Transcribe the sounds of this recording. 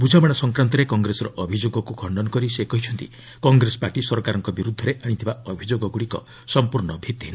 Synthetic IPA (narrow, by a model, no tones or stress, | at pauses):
bud͡ʒʱamaɽ̃asɔŋkɾant̪ɔɾekɔŋɡɾesɔɾɔʔɔbʱid͡ʒoɡɔkukʰɔɳɖɔnɔkɔɾisekɔɦit͡ʃʰɔnt̪ḭ | kɔŋɡɾesɔ̥paʈisɔɾɔkaɾɔŋkɔbiɾud̪ʱːɔɾeʔaɽ̃it̪ʰibaɔbʱid͡ʒoɡɔɡuɽikɔ̰ | sɔmpuɾɳɔbʱit̪iina